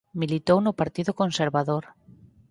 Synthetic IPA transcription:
milit̪ownʊpaɾt̪iðʊkonseɾβaðoɾ

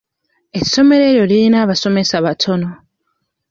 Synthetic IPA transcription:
e̞so̞me̞ɾe̞ɾjo̞liɾinaːβaso̞me̞saβatʰo̞no̞

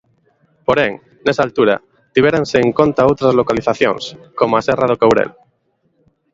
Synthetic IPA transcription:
poɾẽŋ | nesalt̪uɾa̰ | t̪iβeɾanseːŋkõnt̪aowt̪ɾazlo̞kaliθaθjõ̰ŋskomoaserað̞okawɾḛl

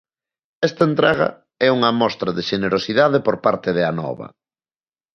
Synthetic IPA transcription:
ɛst̪ɐent̪ɾaɣɐ̰ | ɛuŋɐmɔst̪ɾɐðeʃeneɾosiðaðepoɾpaɾt̪ɪðɪanɔ̰βɐ̰

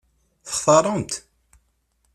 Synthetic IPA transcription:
θə̥χθɑɾˤənt̪

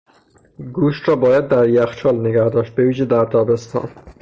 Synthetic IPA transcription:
ɡuʃt̪rɒːbɒːjæd̪̚ːæɾjæxt͡ʃʰɒlneɡæhd̪ɒːʃt̪̚beviːʒed̪æɾt̪ʰɒːbest̪ʰɒ̰ːn

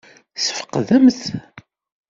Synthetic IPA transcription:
sə̥fə̥qːðəmθ

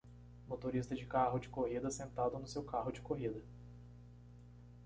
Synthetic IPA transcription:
mot̪oɾist̪ɐd͡ʒɪkaɦʊd͡ʒɪkoɦid̪ɐsẽnt̪ad̪ʊnʊsewkaɦʊd͡ʒɪkoɦid̪ɐ

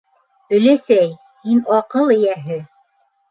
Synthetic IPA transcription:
ɵ̆læsæj | hinɑqɤlˠɘ̆jæɦɘ

